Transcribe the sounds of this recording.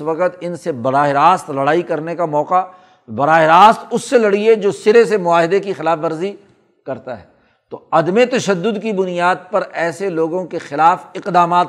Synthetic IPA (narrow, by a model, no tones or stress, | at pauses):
ʋɐqət̪ɪnsebɐɾaːɦeɾaːst̪lɐɽaːikɐɾnekamɔːqa | bɐɾaːɦɪɾaːst̪ʊsːelɐɽied͡ʒoːsɪɾesemʊaːɦɪd̪ekixɪlaːfʋɐɾzi | kɐɾt̪aɦɛː | t̪oɐd̪met̪ɐʃəd̪ːʊd̪kibʊnijaːd̪̚pɐɾɛːseloːɡõkexɪlaːfɪqd̪aːmaːt̪